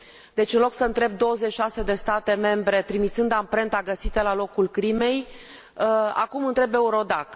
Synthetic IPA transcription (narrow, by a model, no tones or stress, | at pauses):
d̪e̞t͡ʃɨnlo̞ksəɨnt̪ɾe̞b̚d̪o̞wəzet͡ʃʲʃase̞d̪e̞st̪at̪e̞me̞mbɾe̞t̪ɾimit̪sɨnd̪ampɾe̞nt̪aɡəsit̪əlalo̞kulkɾime̞j | a̰kumɨnt̪ɾe̞be̞uɾo̞d̪ak